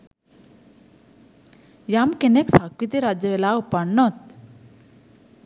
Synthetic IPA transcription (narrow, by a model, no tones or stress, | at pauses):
jamkeneksakɾit̪iɾad͡ʑjəʋelaupaɳːɔt̪̚